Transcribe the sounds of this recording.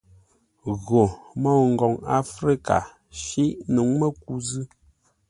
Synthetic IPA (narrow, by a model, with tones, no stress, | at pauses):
ɣo˨mɔ˦˨ŋ̩˨ɡɔ˨ŋa˦fɾi˦ka̰˨ | ʃi˦ʔnu˨˦ŋmə˦ku˦zɨ˦